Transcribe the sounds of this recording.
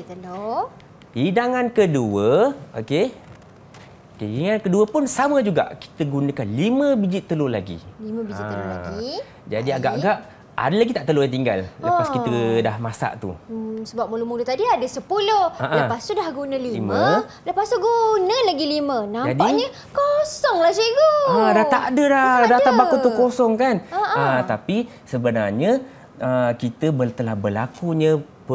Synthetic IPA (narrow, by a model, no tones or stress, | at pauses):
t̪əlo | hidaŋankəduəoke | keiaŋankəduəpʊnsaməd͡ʒuɡa̰ʔki̥t̪əɡunə̃kanlimə̃bid͡ʒit̪ːəlolaɡḭlimə̃bid͡ʒillaɡi | d͡ʒa̰diaɡaʔaɡaʔ | a̰dəlaɡit̪aʔt̪əlojãt̪iŋɡa̰llə̰pakit̪ədahmasa̰ʔt̪ṵsəbap̚məlumudut̪adiadəsəpulohaʔaləpast̪udahɡunəlilimə̃ | ləpast̪uɡunəlaɡilimə̃nãd͡ʒadiɲə | kosɔŋlahseɡoadat̪aʔadəladat̪abakut̪ukosɔŋkanaət̪api | səbənarɲə | ʔəkit̪əbət̪əlahbəlakuɲə̃ | pə